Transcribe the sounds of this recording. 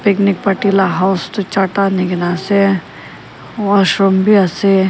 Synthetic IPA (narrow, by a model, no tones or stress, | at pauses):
piknik̚pɐʈilaɦawst̪ut͡ʃaʈaniɡnase | ʋaʃɾombʱiase